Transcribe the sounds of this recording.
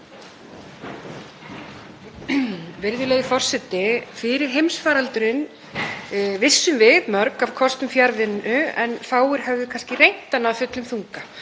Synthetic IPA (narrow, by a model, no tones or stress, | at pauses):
vɪɾðʏleːjðʏfɔr̥sɛt̪ːɪfɪɾɪɾ̥ɦejmsfaːɾalt̪ʏɾɪn | vɪsːʏmvɪðmœɾkavkʰɔst̪ʏmfjaɾvɪnʏɛnfaːwʏɾ̥ɦɛvðʏkʰanscɪrejn̥t̪anavfʏt̪lʏmθuŋka